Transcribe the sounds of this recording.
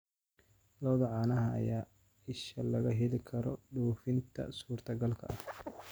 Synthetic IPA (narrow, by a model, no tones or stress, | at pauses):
lɔːðɐʕɑːnɐɦɐɐ̰jaː | ɪʃɐlɐɣɐɦɛlɪkʰɐɾɔɖuːfɪnt̪ʰɐ̰suːrt̪ʰɐɡɐlkʰɐ̰ʔɐh